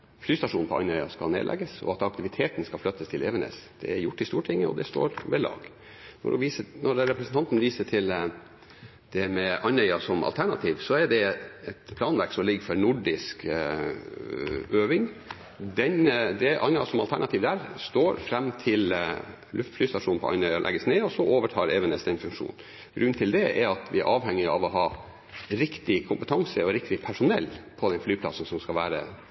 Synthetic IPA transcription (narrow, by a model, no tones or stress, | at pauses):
flyːst̪ɑʂuːnpʰɔɑ̰nœʏɑ̰skɑ̰nḛːd̪lʔɛ̰ɡəsɔ̰ɑt̪ɑk̚t̪ɪʋɪt̪ʰeːt̪n̩skɑflœt̪ːəst̪ʰɪlʔeːʋənɛ̰sd̪̥ɛ̰ɛɾjʊʈːɪst̪uːʈʰɪŋːəɔ̰d̪ɛst̪o̰ːɾʋɛlɑ̰ːɡ | nɔ̰ɾʋiːsənɔɾɾɛpɾəsnt̪ɑnt̪nʋiːsəʈʰɪl | d̪̥ɛmɛʔɑnœʏɑsɔmɑ̰lt̪æɳɑ̰t̪ʰiːʋsɔɛɖɛɛt̪pʰlɑːnʋæɾksɔmlɪɡfɔɾnʊɖɪsk | øːʋɪŋ | d̪ɛnd̪ɛʔɑ̰nɑsɔmɑlt̪æɳɑt̪ʰiːʋd̪æːɾst̪oːɾfɾɛmːt̪ʰɪl | lʉft̪flyːst̪ɑʂuːnpʰɔ̰ɑ̰nœʏɑlʔɛ̰ɡəsneːɔsɔʔoːʋəʈʰɑːɾɛːʋənɛst̪ɛɪnfʉŋkʂṵːn | ɡɾʉnːnt̪ʰɪld̪ɛɛ̰ɾɑt̪ʰʋɪæ̰ɾʔɑːʋhɛŋːɪɑ̰ʋɔɦɑː | ɾɪkt̪ɪkʰʊmpət̪ʰɑŋsəɔɾɪkt̪ɪpʰæʂʊnɛlːpʰɔd̪ɛnflyːpʰlɑ̰sən̩sɔmskɑʋæːɾə̰